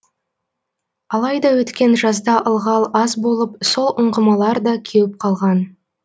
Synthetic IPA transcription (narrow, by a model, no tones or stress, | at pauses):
ɑlˠɑjd̪ɑwɵt̪kʲe̞nʒɑzd̪ɑʔəlˠʁɑlˠɑzbo̞lˠəp̚so̞lˠʔʊɴʁəmɑlˠɑɾd̪ɑkʲʰewɪp̚qʰɑlˠʁɑn